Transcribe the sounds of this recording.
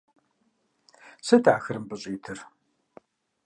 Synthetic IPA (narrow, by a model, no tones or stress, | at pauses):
sɨdaːxɨɾɨmbɨɕʼiːtʰɨr